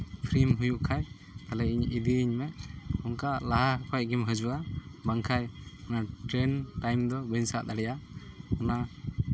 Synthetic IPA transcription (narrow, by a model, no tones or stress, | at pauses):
pʰɾimɦujuʔkʰaj | t̪alɛiɲid̪iɲmɛʔɔŋkalaɦakʰajɡimɦəd͡ʒuʔabaŋkʰajɔnaʈɾɛnʈajmd̪ɔbəɲsaʔd̪aɽɛjaɔna